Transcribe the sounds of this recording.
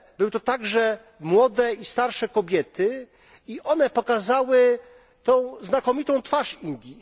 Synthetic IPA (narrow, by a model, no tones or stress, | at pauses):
bɘwɘt̪ɔt̪aɡʐɛ | mwɔd̪ɛist̪aɾʂɛkɔbʲjɛt̪ɘ | iʔɔnɛpɔkazawɘ | t̪ɔ̃w̃znakɔmʲit̪ɔ̃w̃t̪faʂind̪ʲji